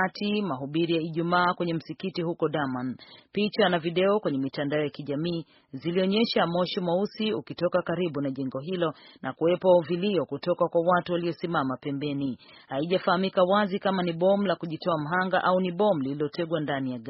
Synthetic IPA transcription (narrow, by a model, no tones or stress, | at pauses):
atimaɦuɓiɾijaiʄumaːkwɛɲɛm̩sikitihukɔɗamanpit͡ʃanaviɗɛɔkwɛɲɛmitandaɔjakiʄamiː | ziliɔɲɛʃamɔʃimwausiukitɔkakaɾiɓunaʄɛŋɡɔɦilɔnʔakuwɛpɔviliɔkutɔkakwawatuwaliɔsimamapɛmbɛni | haiʄafahamikawazikamaniɓɔm̩lakuʄitɔam̩ɦaŋɡaʔauniɓɔmulililɔtɛɡwandanijaɡa